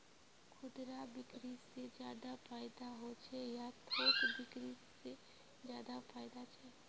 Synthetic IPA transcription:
kʰʊd̪ɾabɪkɾised͡ʒjaːd̪afʰaːɪd̪aɦot͡ʃʰɛjat̪ʰoːkbɪkɾise | d͡ʒjaːd̪afaːɪd̪at͡ʃʰɛː

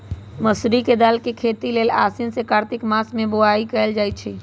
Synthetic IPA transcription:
məsɾiked̪aːlkekʰeːt̪ileːlaːsɪnsekaːɾt̪ɪkmaːsmẽbʊaːikɛːld͡ʒaːit͡ʃʰeː

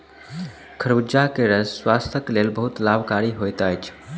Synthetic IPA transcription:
kʰəɾud͡ʒakeɾəsswast̪ʰəklelbəɦut̪labʱkaɾiɦojt̪əjt͡ʃʰ

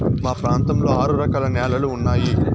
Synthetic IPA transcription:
maːpɾaːnt̪ɐmlo̞ːaːɾuɾɐkaːlɐnɛːlɐluːnːaːji

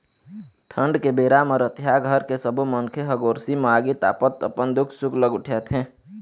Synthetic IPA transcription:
ʈʰəɳɖkebeːɾaməɾət̪jaɡʱəɾkesəbuməŋkʰeɦəɡoːɾsimaɡit̪a̰ːpət̪ə̰pənd̪ʊkʰsʊkʰləɡʊʈʰjət̪ɦẽː

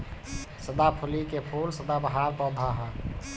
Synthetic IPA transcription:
səd̪apʰulikepʰulsəd̪abəɦaɾbɔd̪ʱaɦa

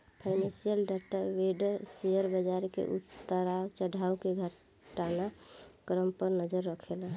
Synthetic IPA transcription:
pʰaɪnẽsijəlɖaʈaʋeɖseəɾbəd͡ʒaɾkḛʔṵt̪ːəɾawt͡ʃəɖʱaukeɡʱə | ʈanakɾəmpəɾnəd͡ʒəɾːəkʰela

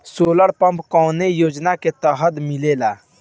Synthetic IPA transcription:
soːləɽpə̃mpkɔːnejoːd͡ʒnaket̪əɦəd̪mɪleːlaː

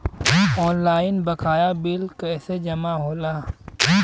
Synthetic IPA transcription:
ɔːnlaːɪnbəkʰaːjabɪlkɛsed͡ʒɐmaɦoːlaː

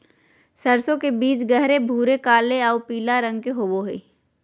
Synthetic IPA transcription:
sɐɾsõkebiːt͡ʃɡɐɦɾebʱuːɾekaːleaupiːlaɾɐ̃ŋɡ̚keɦoːboɦeː

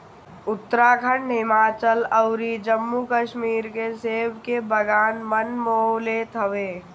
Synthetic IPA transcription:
ʊt̪ːɾakʰə̃ɳɖɦɪmaːt͡ʃələʊɾid͡ʒəmːukəʃmiːɾkeseːbkebəɡaːnmənmoːleːt̪ʰəʋeː

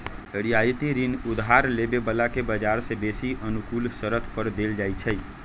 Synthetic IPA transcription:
əɽijajit̪iɾinud̪ɦaɾlebebəlakebəd͡ʒaɾsẽbesiʔənukulsəɾət̪ʰpəɾd̪eld͡ʒajt͡ʃʰəj

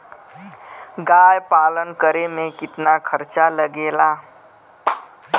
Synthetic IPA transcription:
ɡajpalənkəɾemekɪt̪nakʰəɾt͡ʃaləɡela

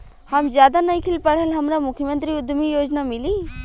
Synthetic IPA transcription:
hɐmd͡ʒjaːd̪anɐĩkʰɪlpɐɽ̤əlɦɐmɾamʊkʰjəmə̃nt̪ɾiʊd̪mijoːd͡ʒnamɪli

